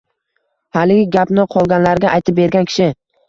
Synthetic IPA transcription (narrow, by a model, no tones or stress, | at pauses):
halɪɡʲɪɡʲapnɪqʰɒlˠɡʲanlaɾɡʲaʔajt̪ʰɪp̚be̞ɾɡʲankʲʰɪ̥ʃɪ